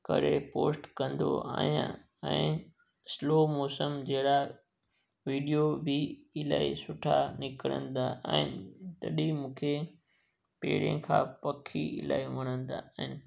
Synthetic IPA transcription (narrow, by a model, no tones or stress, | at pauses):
kɐ̰ɾepoːsʈkɐ̃nd̪o̰a̰ːɦijã̰ | ɛ̃ː | sloːmɔːsəmd͡ʑeːɽa | ʋiːɖijobʱɪɪlaːisʊʈʰanɪkəɽə̰̃n̆d̪aːə̃ɦɪnɪt̪ɐɗimũːkʰe | pḛːɽẽkʰã̰ːpɐkʰḭɪ̰la̰ːimɐɽ̃ə̃nd̪a̰ːɦɪnɪ